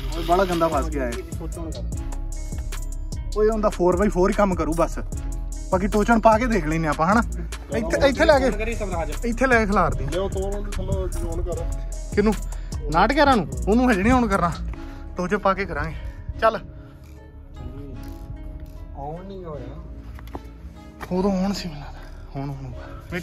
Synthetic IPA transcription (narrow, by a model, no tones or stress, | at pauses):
bəɽaːɡənd̪aːbəsɡɪjaːeː | oːeːʊ̃nd̪aːpʰoːɾbaːiːpʰoːɾiːkəmkəɾuːbəs | paːk̬iʈoːt͡ʃəɳpaːkeːd̪eːkʰlĩːneːaːpãːɦaːnː | ɪɪt̪ʰːeːlɛːkeːɾiɪt̪ʰːeːlɛːkeːkʰəlaːɾd̪iːeot̪oːlond̪iːkʰəlooːɳkəɾoːkɪnːũːnaːʈkɛːɾãːnũːoːnũːəd͡ʒnĩːɦoːɳkəɾnaːt̪oːd͡ʒepaːkeːkəɾãːɡeːt͡ʃəl | aunĩːɦoːa | oːd̪õːɦoːɳsiːmɪlaːd̪hoːɳɦoːnũː